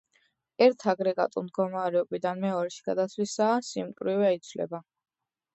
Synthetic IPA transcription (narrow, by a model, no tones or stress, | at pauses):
ɛɾt̪ʰaɡɾɛɡa̰t̪ʼṵmd̪ɡɔmaɾɛɔbid̪anmɛɔɾɛʃi̥ɡ̥ad̪at̪sʰwisaːsimkʼɾivɛait̪sʰvlɛ̰ba